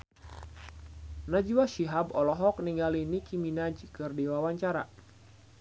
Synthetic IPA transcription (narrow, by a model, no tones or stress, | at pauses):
nad͡ʒiwaʃiɦabɔlɔɦɔk̚niŋɡalinikʰiminad͡ʒkɨrdiwawaɲt͡ʃaɾa̰